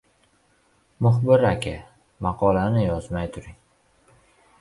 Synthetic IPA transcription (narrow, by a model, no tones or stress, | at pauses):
mʊχbɪɾakʲʰɪ | mɑqʰɒlanɪjɒzmajt̪ʰʊɾɪŋ